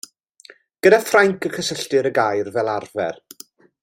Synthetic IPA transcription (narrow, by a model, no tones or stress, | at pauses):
ɡ̥ədafraŋkʰəkʰəsəɬtɪɾəɡajrvɛlˠarvɛ̰r